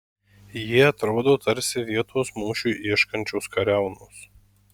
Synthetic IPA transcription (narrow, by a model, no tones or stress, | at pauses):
jiɛɐt̪ɾoːd̪oːt̪ɐɾʲsʲɪʋʲiɛt̪oːsmuːʃʲuːʔiɛʃkɐnʲt͡ʃʲoʊskɐɾʲæˑʊnos